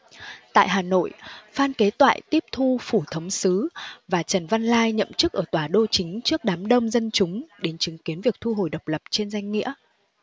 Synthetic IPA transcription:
t̪a̰ː˧˨jɦaː˨˩no̰˧˨jfaː˧nke˨˦t̪wa̰ː˧˨jt̪i˦˥əp̚t̪ʰu˧fu˧˩t̪ʰə˨˦wŋ͡msɨ˨˦vaː˨˩t͡ɕə˨˩nva˧nlaː˧jɲə̰˧˨mt͡ɕɨ˦˥k̚ʔəː˧˩t̪waː˨˩ɗo˧t͡ɕï˨˦ŋ̟t͡ɕɨ˦˥ək̚ɗaː˨˦mɗə˧wŋ͡mzə˧nt͡ɕʊ˨˦ŋ͡mɗe˨˦nt͡ɕɨ˨˦ŋki˨˦ənvi˨˩ək̚t̪ʰu˧ɦo˨˩jɗə˨˩k͡p̚lə˨˩p̚t͡ɕe˧nza˧jŋ̟ːḭ˧˥ə

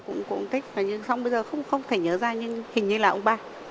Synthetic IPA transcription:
kʊ̰˧˥ŋ͡mkʊ̰˧˥ŋ͡mt̪ʰï˦˥k̟̚vaː˨˩ɲɨ˧ŋsa˧wŋ͡mɓə˧jzəː˨˩xə˧wŋ͡mxə˧wŋ͡mt̪ʰe˧˩ɲəː˨˦zaː˧ɲɨ˧hï˨˩ŋ̟ɲɨ˧laː˨˩ʔə˧ŋ͡mɓaː˧˩

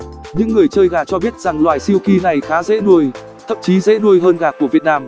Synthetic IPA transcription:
ɲɨ̰˧˥ŋːɨ˨˩əjt͡ɕəː˧jɣaː˨˩t͡ɕɔ˧ɓi˦˥ət̚z̥a˨˩ŋlwaː˨˩jsi˧əwki˧na˨˩jxaː˨˦zḛ˧˥ɗu˧əj | t̪ʰə̰˧˨mt͡ɕi˨˦zḛ˧˥ɗu˧əjɦəː˧nɣaː˨˩kːu˧˩əvi˨˩ət̚naː˧m

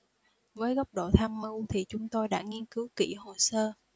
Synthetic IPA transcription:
vəː˨˦jɣɔ˦˥wk͡p̚ɗo̰˧˨t̪ʰaː˧mːɨ˧wt̪ʰi˨˩t͡ɕʊ˨˦ŋ͡mt̪o˧jɗa̰ː˧˥ŋi˧ənkɨ˨˦wkḭ˧˩ho˨˩səː˧

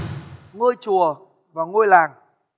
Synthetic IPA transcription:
ŋo˧jt͡ɕu˨˩ə | vaː˨˩ŋo˧jlaː˨˩ŋ

